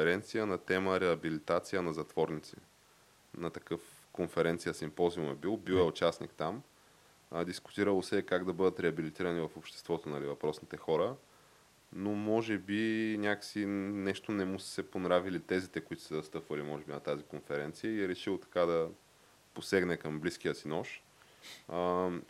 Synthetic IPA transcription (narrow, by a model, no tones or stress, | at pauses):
ɛɾɛnt̪sijənɐt̪ɛməɾɛɐbilit̪at̪sijənɐzɐt̪vɔɾnit̪sḭ | nɐt̪ɐkɤf | konfɛɾɛnt̪sijəsimpɔziumɛbilˠbilɛʊt͡ʃasnikt̪am | d̪iskʊ̥t̪iɾəlˠosɛkaɡd̪ɐbɤd̪ət̪ɾɛɐbilit̪iɾənivɐfopʃt̪ɛ̥st̪vɔt̪onɐlivɐpɾɔsnit̪ɛxɔɾə | nomɔʒɛbinʲakə̥sinɛʃt̪onɛmusə̥sɛponɾavilit̪ɛzit̪ɛkoit̪o̥səzɐst̪ɤpvɐlimɔʒɛbinɐt̪azikonfɛɾɛnt̪sijəiɛɾɛʃilˠt̪ɐ̥kad̪ɐ | posɛɡnɛkɐmblisk̟ijəsinɔʃ